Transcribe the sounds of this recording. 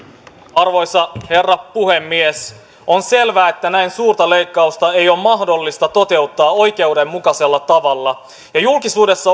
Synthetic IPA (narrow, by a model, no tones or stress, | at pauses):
ɑrʋo̞jsɑhe̞rːɑpuhe̞mːies | onse̞lʋæːet̪ːænæinsuːrt̪ɑle̞jkːɑust̪ɑe̞jo̞mɑhdo̞lːist̪ɑt̪o̞t̪e̞ut̪ːɑːo̞jk̟e̞ude̞mːukɑse̞lːɑt̪ɑʋɑlːɑ | jɑjulkisuːdesːɑ